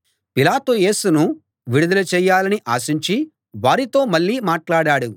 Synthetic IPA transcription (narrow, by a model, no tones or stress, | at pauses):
pilaːt̪uje̞ːsunu | ʋiɽud̪ɐlɐt͡ʃɛːjːaːlɐniʔaːʃiɲt͡ʃi | ʋaːɾit̪o̞ːmɐɭːiːmaːʈlaːɽaːɽu